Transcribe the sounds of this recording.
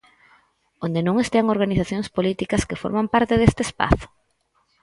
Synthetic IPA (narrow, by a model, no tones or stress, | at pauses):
ond̪enõŋest̪eaŋoɾɣaniθaθjoŋspolit̪ikɐskɪfo̰ɾmampaɾt̪eðest̪eːspa̰θʊ̥